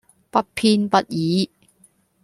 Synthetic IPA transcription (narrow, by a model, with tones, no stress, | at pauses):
pɐ˦t̚pʰiː˧npɐ˧t̚jiː˨˦